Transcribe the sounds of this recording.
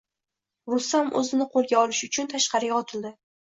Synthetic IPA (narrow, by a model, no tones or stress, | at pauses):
ɾʊst̪amɵ̰zɪnɪqʰolˠɡʲaɒlɪʃʊt͡ʃʰʊnt̪ʰaʃqɑɾɪɡʲaɒt̪ʰɪld̪ɪ